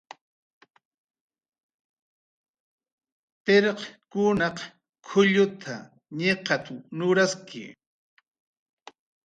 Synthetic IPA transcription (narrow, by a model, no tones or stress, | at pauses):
t̪eɾqkʊnɑq | kʰʊʎʊt̪ʰa̰ | ɲeqɑt̪anʊɾaskʰɪ̰